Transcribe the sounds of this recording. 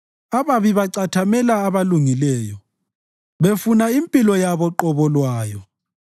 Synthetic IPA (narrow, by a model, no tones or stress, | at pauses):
aβaβiβaǀatʰamɛlaːβaluŋilɛːjɔ | βefunaimpʼilɔjaβɔǃɔβɔlwaːjɔ